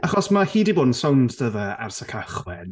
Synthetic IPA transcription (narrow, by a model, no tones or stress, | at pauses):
ʔaχɔsmahiːdɪbʊːnsawntʰdəvəa̰rsəkʰaχwɛn